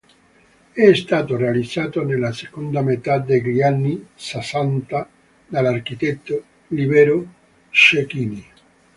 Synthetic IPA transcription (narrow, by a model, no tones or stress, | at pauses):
ɛst̪aːt̪orealid̪z̥ːaːt̪onelasekond̪amet̪ad̪eʎianːisasant̪a | d̪alark̟it̪ɛt̪ːo | libɛɾo | ʃekiːni